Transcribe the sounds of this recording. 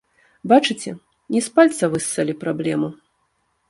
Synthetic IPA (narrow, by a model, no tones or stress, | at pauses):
bat͡ʂɨt͡sʲɛ | nʲɛspalʲt̪sɐvɨsːalʲipɾablʲɛmu